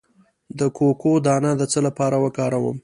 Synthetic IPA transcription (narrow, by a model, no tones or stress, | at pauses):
d̪əkokod̪ɑnad̪ət͡səlapɑɾawəkɑɾawə̰m